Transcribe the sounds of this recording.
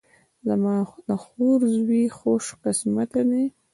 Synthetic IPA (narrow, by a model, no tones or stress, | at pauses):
zamɑd̪axoɾzwixoʃqɪsmat̪ani